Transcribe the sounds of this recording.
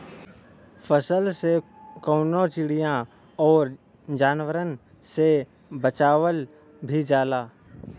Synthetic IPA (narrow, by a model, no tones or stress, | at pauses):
pʰəsəlsekəʊnot͡ʃɪɽijã | ɔːɾ | d͡ʒaːnwəɾən | se | bət͡ʃaːwəl | bʱid͡ʒaːlaː